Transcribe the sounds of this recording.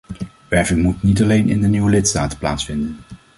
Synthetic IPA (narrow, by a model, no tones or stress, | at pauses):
ʋɛɹvɪŋmutnitɑlejnɪ̰ndəniwəlɪtstaːtə̥pla̰ːtsfɪndən